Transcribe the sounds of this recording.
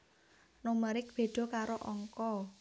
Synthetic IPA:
noməɾɪk̚b̥e̤ɖ̪̥ɔ̤kaɾoʔɔŋkɔ

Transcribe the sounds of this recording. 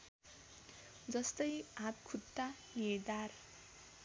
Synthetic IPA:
d͡zʌst̪ʌjab̚kʰut̪ːanid̪ar

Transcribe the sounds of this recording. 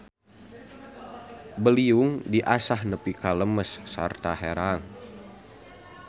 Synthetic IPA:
bəliuŋdiʔasahnəpikaləməsːə̰rt̪aɦeɾaŋ

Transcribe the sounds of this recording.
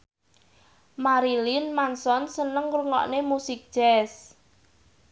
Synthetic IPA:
maɾilinmansɔnsənəŋruŋɔ̰ʔnemusɪk̚d̥ʒ̥ɛs

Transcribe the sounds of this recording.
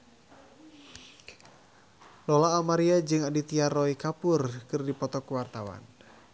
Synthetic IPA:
lɔlaːmaɾiad͡ʒɨŋadit̪iarɔikapʊrkɨrdipɔt̪ɔkuwart̪awa̰n

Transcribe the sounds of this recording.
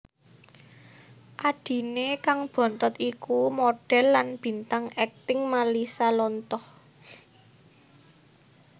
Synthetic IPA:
ʔaɖ̥i̤nekaŋb̥ɔ̤nt̪ɔt̪ikumoɖ̥ɛ̤lːanb̥i̤nt̪aŋɛk̚t̪ɪŋmalisalɔnt̪ɔh

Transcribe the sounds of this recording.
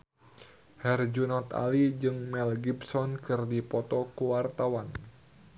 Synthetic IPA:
hɛrd͡ʒunɔt̪a̰lid͡ʒɨŋmɛlɡibsɔnkɨrdipɔt̪ɔkuwart̪awan

